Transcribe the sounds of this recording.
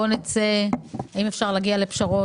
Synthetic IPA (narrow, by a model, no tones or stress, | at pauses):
onet͡seaimefʃaʁlaɡiale̞pʃaʁo